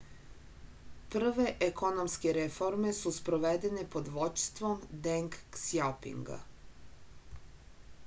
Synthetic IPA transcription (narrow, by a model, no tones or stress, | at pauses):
pr̩ʋe̞ʔekonomskeɾefoɾme̞suspɾoʋed̪enepo̞d̪ʋot͡ʃst̪ʋomd̪eŋkːsjapḭŋɡa̰